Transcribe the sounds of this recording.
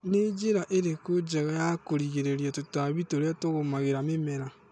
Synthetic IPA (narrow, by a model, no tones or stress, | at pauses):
ned͡ʒeɾaʔeɾekod͡ʒɛɣajakoɾiɣeɾeɾjatotwaβitoɾatoɣomaɣeɾamemɛɾa